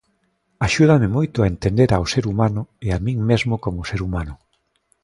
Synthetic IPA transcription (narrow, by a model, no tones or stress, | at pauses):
aʃuð̞amɪmojt̪ʊaent̪end̪eɾaoseɾumanʊeamĩŋmezmʊkomʊseɾumanʊ